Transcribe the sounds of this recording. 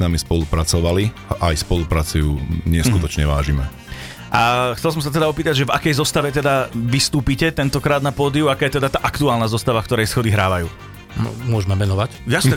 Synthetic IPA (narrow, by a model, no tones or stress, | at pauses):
namispɔlupɾat͡sɔʋaliʔajspɔlupɾat͡sujuːɲɛskut̪ɔt͡ʃɲɛʋa̰ːʒimɛ̰ | ʔaxtt͡sɛls̬ɔmsat̪ɛd̪aɔpiːt̪aɟʒɛvakɛjzɔst̪aʋɛt̪ɛd̪aʋist̪uːpicɛt̪ɛnt̪ɔkɾaːd̪napɔːd̪iuakaːjɛt̪ɛd̪at̪aːʔakt̪uaːlnazɔst̪aʋakt̪ɔɾɛjsxɔd̪iɦɾaːʋajuː | nɔ̰mʊɔʒmɛʋɛnɔʋacjasɛ